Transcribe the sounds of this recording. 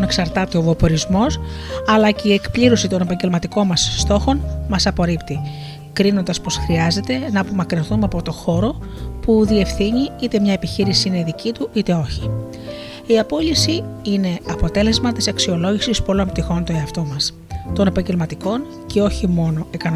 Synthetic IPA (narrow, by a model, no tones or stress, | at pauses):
neksɐɾt̪ɐt̪e̞ovopo̞ɾizmo̞sɐlɐce̞ie̞kpliɾo̞sit̪o̞nepɐɲɟe̞lmɐt̪iko̞nmɐsːt̪o̞xo̞nmɐsɐpo̞ɾipt̪i | kɾinond̪ɐspo̞sxɾiɐze̞t̪e̞nɐːpo̞mɐkɾinθumɐpo̞t̪o̞xo̞ɾo̞ | puðie̞fθiɲiit̪e̞mɲɐe̞piçiɾisiine̞iðicit̪uit̪e̞o̞çi̥ | iɐpo̞lisiine̞ɐpo̞t̪e̞le̞zmɐt̪isɐksio̞lo̞ʝisispo̞lo̞mp̚t̪ixo̞nt̪oe̞ɐft̪o̞mɐs | t̪o̞ne̞pɐɲɟe̞lmɐt̪iko̞n | ce̞o̞çimo̞no̞ekɐn